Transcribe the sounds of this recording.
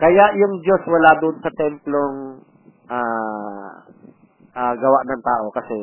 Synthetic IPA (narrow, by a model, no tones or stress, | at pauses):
kɐjaʔjʊŋd͡ʒo̞swɐlad̪ʊnsɐt̪ɛmploŋ | ʔaː | ʔaɡɐwaʔnɐŋt̪aːʔo̞kɐsɛ